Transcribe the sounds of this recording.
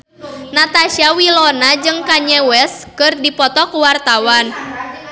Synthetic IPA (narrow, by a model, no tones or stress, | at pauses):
nat̪aʃiawilɔnad͡ʒɨŋkaɲɛwɛskɨrdipɔt̪ɔkuwart̪awan